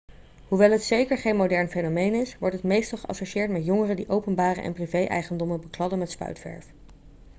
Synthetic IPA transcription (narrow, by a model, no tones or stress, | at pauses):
ɦuʋɛlˠɦətsejkəɹχejnmodɛɹnfejnomejnɪsʋɔɹtɦətmejstɑlˠχəɑ̰soʃɪːɹtmɛtjʊŋərədiʔowpənbaːrə̰ʔɛ̰nprivejʔɛ̰jχəndɔməbəklɑdəmɛtspœ̰ɥtfɛ̰ɹf